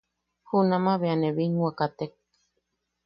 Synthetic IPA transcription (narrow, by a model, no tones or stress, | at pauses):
hunamaβeaneβinuakat̪ek̚